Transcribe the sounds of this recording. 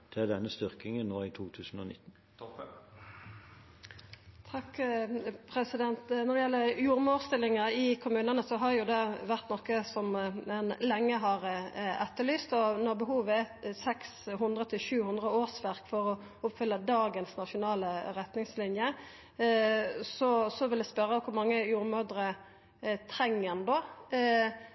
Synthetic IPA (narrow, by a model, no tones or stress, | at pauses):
d̪̥ɛd̪ɛnːəst̪ʏʁkɪŋənnoːiːt̪ʰuːt̪ʰʉːsn̩o̰ːnɪ̰t̪ːn̩ | t̪ʰɑk | pʰɾɛsɪd̪ɛnt̪nɔd̪ɛjɛlːəɾjuːʁmoːʁst̪ɪlːɪŋəɪkʰʊmʉːnənəsɔɦɑʁjʊd̪ɛʋæʁt̪nɔkːəsɔmɛnlɛŋːəɦɑʁɛt̪ːəlyːst̪ɔnɔʁbəɦuːʋəɛsɛksɦʉnd̪ʁət̪ʰɪlʃʉːhʉnd̪ʁəoːʁsʋæʁkfɔɾɔ | ʊpfʏlːəd̪ɑːɡənsnɑʂʊnɑːləɾɛt̪nɪŋslɪnjə | sɔsɔʋɪld̪ɛspœɾəkʰʊɾmɑŋːəjuːɾmød̪ɾə | t̪ʰɾɛŋːənd̪oː